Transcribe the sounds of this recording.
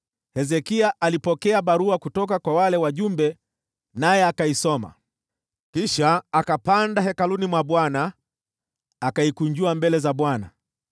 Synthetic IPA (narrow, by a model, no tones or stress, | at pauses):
hɛzɛkiaʔalipɔkɛaɓaɾuakutɔkakwawalɛwaʄumbɛ | najɛakaisɔma̰ | kiʃaːkapandaɦɛkalunimwaɓwana | kaikuɲd͡ʒuambɛlɛzaɓwana̰